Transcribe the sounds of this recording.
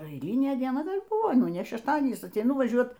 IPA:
ɛɪˈlʲiːnʲeː dʲiɛˈnɐ ˈɡɐlʲ ˈbuːʋoː ˈnʊ nʲɛ ʃʲɛʃˈtɑːdʲiɛnʲiːs ɐtʲɛɪˈnʊ ʋɐˈʒʲuɔt

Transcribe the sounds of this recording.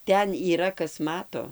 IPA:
ˈtʲɛn iːˈrɐ ˈkɐs ˈmɑːtoː

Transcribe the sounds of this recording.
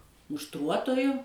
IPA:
mʊʃˈtruɔtoːjʊ

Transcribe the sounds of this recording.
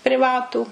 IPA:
pʲrʲɪˈʋɑːtuː

